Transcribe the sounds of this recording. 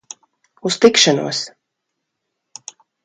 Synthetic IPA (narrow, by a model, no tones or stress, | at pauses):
ust̪ikʃanṵɔs